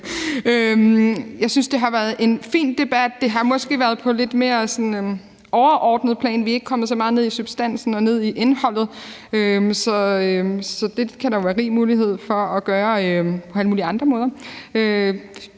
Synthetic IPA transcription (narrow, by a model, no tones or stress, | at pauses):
ømjɑ̈ɪsynsd̥e̝ɦɑ̈ʋæɐðˠʔe̝nfḭːnd̥e̝b̥æd̥̚ːe̝ɦɑ̈mɒ̽sɡ̥e̝ʋæɐð̩ˠpʰɒ̽le̝d̥me̝ːɐsɒ̽n | ɒʊɐʔɒːd̥nəð̞̩ˠpʰlɛ̰ːnʋie̝ɡ̥əkʰɒ̽mð̩ˠs̬ɒ̽mɑ̈ːð̩ˠne̝ðˠisub̥sd̥æn̰sn̩ɒ̽ne̝ð̞̰ˠiʔenhɒ̽l̰ð̩ˠøsɒ̽sɒ̽d̥e̝kʰæɾɑ̈jo̝ʋæːɐʁḭːmuːliɦe̝ð̞̰ˠfɒ̽ɒɡ̥ɶːɐøpʰɒ̽æləmuːliɑ̈nd̥ʁɐmɔ̽ːð̞ˠɐø